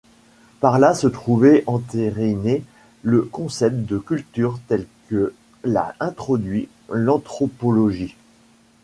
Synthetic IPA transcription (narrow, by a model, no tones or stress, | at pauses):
paʁlasət̪χuvɛʔɑ̃t̪eʁine | ləkɔ̃sɛp̚t̪̚d̪əkʲylt̪yʁt̪ɛlkə | la̰ɛ̃t̪χɔd̪ɥi | lɑ̃t̪χɔpɔlɔʒi